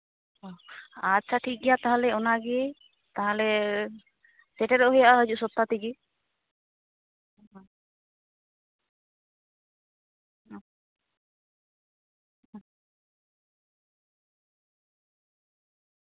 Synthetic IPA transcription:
ɔ̃atːt͡ʃʰaʈʰik̚ɡɛjat̪aɦalɛɔnaɡɛ | t̪aɦalɛ | sɛʈɛɾɔʔɦɔjaʔaɦəd͡ʒuʔsɔt̪ːat̪iɡe

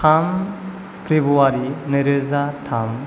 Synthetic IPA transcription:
am | pʰɾebuaɾinəɾɯzatʰam

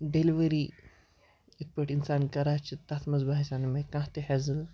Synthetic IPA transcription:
ɖeliʋəɾi | it̪̚pəʈinsaːnkɐɾat͡ʃʰit̪at̪ʰmɐzbaɦisʲaːnɐmekãːɦt̪ehezɨl

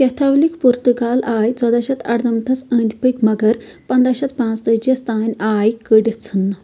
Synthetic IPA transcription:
kɛt̪ʰawlikpuɾt̪ukalajt͡sɐd̪aɕɐt̪ɐ̰ɽd̪ɐmt̪ʰɐt͡sə̃nd̪pəkmɐɡəɾ | pɐnd̪aɕɐt̪pãt͡st̪əd͡ʑest̪anʲajkəɽt͡sʰən

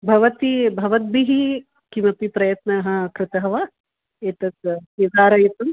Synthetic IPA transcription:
bʱɐʋɐt̪ibʱɐʋɐt̪̚biɦi | kimɐpipɾɐjɐt̪nɐɦɐ̆kɾɪt̪ɐɦɐʋɐ | eːt̪ɐt̪kezaːɾɐjit̪um

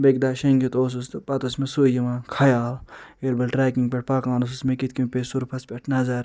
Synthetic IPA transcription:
beɡ̚d̪aːʃɐŋɡit̪oːs̬ust̪pɐt̪ɐsmesujimɐkʰɐjaːleɾbɐlʈɾɛːkiŋɡ̚peʈ̚pɐkãːnos̬usmẽkit̪̚kimpesuɾpʰɐspʲeʈʰnɐzaɾ

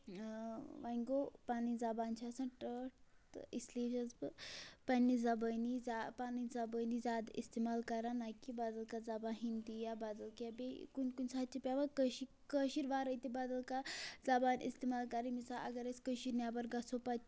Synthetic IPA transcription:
ʋaŋɡopanid͡zabant͡ʃʰasanʈəʈisliɕat͡sbəpanːid͡zabənid͡zapanid͡zabənizad̪ḭst̪emalkaɾanajkibad̪əlkad͡zabaɦind̪ijabad̪əlkabekunkunʲsat̪̚t͡ʃipʲaʋakəɕi | kəɕiːɾʋaɾəjt̪ibad̪əlkad͡zabanḭst̪emalkaɾimisaʔɐ̰ɡəɾet͡skəɕiɾnjabəɾɡasopat̪

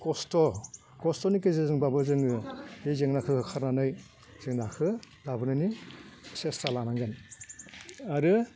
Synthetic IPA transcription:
kɔstɔ | kɔstɔnikezezɯŋbabɯzɯŋɯhezeŋnakʰɯkʰɯkʰaɾnanɯj | z̥eŋnakʰɯ | labɯnɯnisestalanaŋɡɯn | aɾɯ

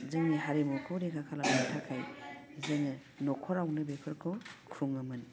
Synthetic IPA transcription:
zeŋɯɦaɾimukʰuɾekʰakʰalamatʰakʰaj | zeŋɯ | nɔkʰɔɾawnɯbepʰɯɾkʰɔkʰuŋɯmɯn

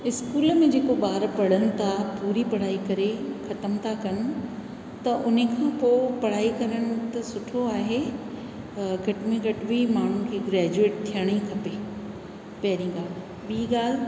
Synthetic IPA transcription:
ɪskuːlmẽd͡ʑeːkoɓaːɾpɐɽ̤ənɪ̆t̪ʰapuːɾipɐɽ̤aːikɐɾexɐt̪əmt̪ʰakɐnɪ̆ | t̪ɐʔʊnekʰãːpoːpɐɽ̤aːikɐɾəɽ̃ʊ̆t̪ɐsʊʈʰoaːɦe | ɡʱɐʈmẽɡʱɐʈbʱimaːɳ̤ũkʰiːɡɾɛːd͡ʑueːʈ̚t̪ʰːijəɽ̃ikʰɐpe | pɐɦɾĩɡaːl | ɓiiɡaːl̤

